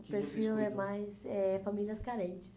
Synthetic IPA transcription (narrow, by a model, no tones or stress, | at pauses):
pɾefilɛmajsɛfamiljɐskaɾẽnt͡ʃɪ̥s